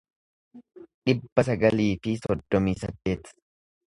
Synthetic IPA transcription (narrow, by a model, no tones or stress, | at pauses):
ᶑɪbːɐsɐɡɐliːfɪsɔd̪ːɔmiːsɐd̪ːe̞ːt̪